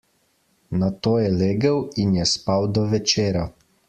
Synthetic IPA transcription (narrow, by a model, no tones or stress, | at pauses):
nat̪oːjɛleːɡəwinjɛspawd̪ɔʋɛt͡ʃeːɾa